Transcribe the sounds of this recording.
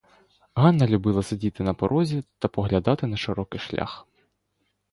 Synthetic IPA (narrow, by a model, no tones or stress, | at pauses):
ɦɑnːɐlʲubɪlˠɐsedʲit̪ɪnɐpɔɾʔɔzʲit̪ɐpɔɦlʲɐd̪ɑt̪ɪnɐʃɪɾɔkɪʃlʲa̰x